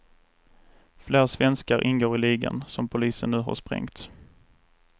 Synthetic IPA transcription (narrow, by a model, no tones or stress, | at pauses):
fleːɾsvɛnskaɾʔɪnɡoːɾɪliːɡa̰nsɔmpʰʊliːsənːʉ̟ːɦa̰ɾʂpɾɛ̰ŋt̪